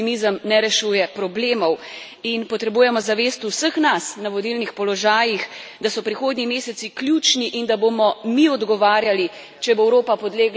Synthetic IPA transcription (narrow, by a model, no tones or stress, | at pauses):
imizəmnɛɾɛʃuːjɛpɾɔbleːmɔw | inpɔt̪ɾɛbuːjɛmɔzaʋeːst̪usəxnasnaʋɔd̪ilnixpɔlɔʒaːjix | d̪asɔpɾixoːd̪ɲʲimeːsɛt̪siklʲjut͡ʃniʔind̪abomɔmiɔd̪ɡɔʋaːɾjali | t͡ʃɛboɛwɾoːpapɔd̪leːɡ